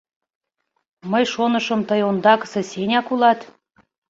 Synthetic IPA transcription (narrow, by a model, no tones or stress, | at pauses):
məjʃonəʃəmt̪əjond̪ɑkə̥sesenʲɑkulɑt̪